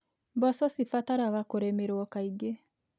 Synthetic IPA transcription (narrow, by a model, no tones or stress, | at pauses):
basɔsifataɾaɣakoɾemeɾwɔkaiɡe